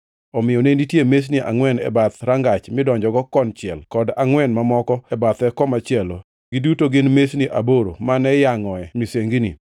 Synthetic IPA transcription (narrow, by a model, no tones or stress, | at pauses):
ɔmɪjɔnenditjemes̬niʔa̰ŋwɛnɛ̰bat̪ɾaŋɡat͡ʃmɪdɔɲd͡ʒɔɡɔkɔnt͡ʃɪɛlkɔdaŋwɛnmamɔkɔɛbat̪ɛkɔmat͡ʃɪɛlo | ɡidutoɡɪnmesniʔaboɾo̰manɛjaŋɔɛmiseŋɡinḭ